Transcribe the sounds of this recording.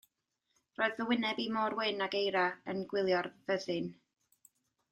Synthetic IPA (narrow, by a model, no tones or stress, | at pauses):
roːɨðvəwɪnɛbimoːrwɪnaɡejɾaənɡwɪlˠjɔrvəðɨn